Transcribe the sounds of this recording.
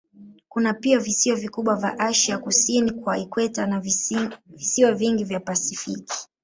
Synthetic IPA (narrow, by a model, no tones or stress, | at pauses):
kunapiɔvisiɔvikuɓwavja̰ʔaʃiakusinikwaikwɛtana | visiɔviŋɡivjapasifiki̥